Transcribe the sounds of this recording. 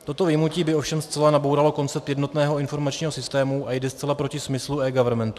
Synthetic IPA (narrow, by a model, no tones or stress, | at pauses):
t̪o̞t̪o̞vɪjmuciːbɪo̞fʃɛmst͡sɛlanabowɾalo̞ko̞nt͡sɛp̚t̪jɛdno̞t̪nɛːɦo̞ɪnfo̞ɾmat͡ʃɲiːɦosɪst̪ɛːmuʔajdɛst͡sɛlapɾo̞cɪsmɪsluɛːɡavɛɾmɛnt̪u̥